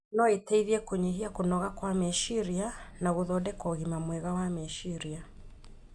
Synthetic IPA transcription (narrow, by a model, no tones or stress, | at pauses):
nɔetɛiðiɛkoɲeɦiakonɔɣakwamɛʃiɾianaɣoðɔdɛkɔɣimamwɛɣawamɛʃiɾia